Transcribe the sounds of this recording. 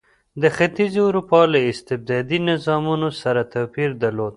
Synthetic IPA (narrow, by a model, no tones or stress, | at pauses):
d̪əxat̪izʊɾupɑlaɪst̪ɪb̚d̪ɑd̪inɪzɑmunosaɾat̪apiɾd̪aɾlod̪